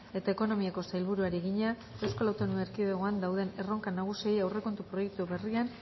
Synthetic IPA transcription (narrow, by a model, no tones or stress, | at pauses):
e̞t̪aeko̞no̞miako̞sajlβ̞uɾuaɾieɣiɲa | ewskolawt̪onuŋeɾkiðeɣ̞oand̪awðe̞ne̞ro̞ŋkanaɣ̞usiejawre̞ko̞nt̪upɾo̞jek̚t̪uβe̞rian